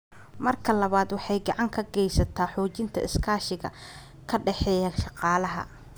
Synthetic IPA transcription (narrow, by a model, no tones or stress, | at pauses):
mɐrkʰɐlɐβaːd̪wɑħɑjɡɑʕɑŋkʰɐɡɛjsɐt̪ʰaːħɔːt͡ʃɪnt̪ʰɐ̰ʔɪskʰaːʃɪɣɐ̰ | kʰɐɖɛħɛːjɐʃɑqɑːlɐɦɐ̰